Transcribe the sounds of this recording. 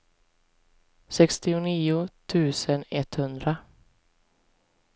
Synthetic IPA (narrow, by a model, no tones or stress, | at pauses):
sɛkst̪ɪʊniːʊt̪ʰʉ̟ːsənɛt̪hɵnd̪ɾa